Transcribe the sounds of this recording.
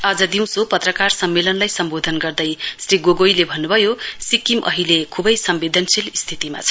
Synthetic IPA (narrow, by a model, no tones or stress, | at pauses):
ad͡zʌd̪iw̃sopʌt̪rʌkarsʌmːelʌnlajsʌmbod̪ʱʌnɡʌrd̪ʌjsriɡoɡojlebʱʌnːubʱʌjosikimʔʌ̰ɦilekʰubʌjsʌmbid̪ʱʌnsilist̪ʰit̪ima̰t͡sʰʌ̥